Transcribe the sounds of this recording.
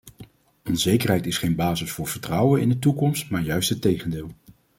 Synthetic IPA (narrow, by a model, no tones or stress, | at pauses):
ɔnz̥ejkərɦɛjtɪsχejnbaːzəsfʊːɹv̥əɹtrʌwənɪ̰ndətukɔmstmaːɹjœɥstətejχəndɪːlˠ